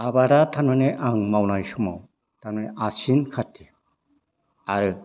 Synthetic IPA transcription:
abaɾat̪ʰanmaneʔaŋmawnajsuma̰w | t̪ʰanmaneʔasinkʰatʰi | aɾɯ

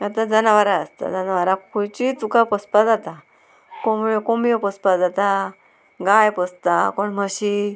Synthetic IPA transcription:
at̪ãd͡zənaʋaɾaəst̪a̰d͡zənaʋaɾakʰut͡ɕit̪ukapəspad͡zat̪a | komjɔkomjɔpəspad͡zat̪a | ɡajpəst̪akoɳməɕi

